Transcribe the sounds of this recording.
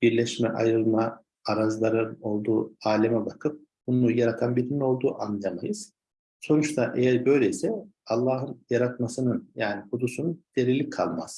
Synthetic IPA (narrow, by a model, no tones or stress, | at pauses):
b̥iɾlʲɛʃmɛʔajɾɯlˠma | aɾazlˠaɾɯno̞lˠd̪uːaːlʲɛmɛbakʰɯp̚ | bunujaɾat̪ʰanbilimio̞lˠd̪uːʔanːamajɯz̥ | so̞nut͡ʃt̪ʰaʔejæɾbø̞jlʲejisɛalˠːaːɦɯnjaɾat̪masɯnɯnjaːnikud̪usunund̪̥e̞ɾilʲːikʰalˠma̰z̥